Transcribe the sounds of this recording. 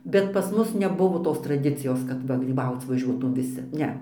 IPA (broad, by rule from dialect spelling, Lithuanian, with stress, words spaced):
bʲɛt pɐs ˈmʊs nʲɛˈbʊʋoː ˈtoːs trɐˈdʲɪt͡sʲɪjoːs kɐt ˈʋɐ ɡrʲiːˈbɐʊt͡s ʋɐˈʒʲuɔtuːm ʋʲɪˈsʲɪ ˈnʲɛ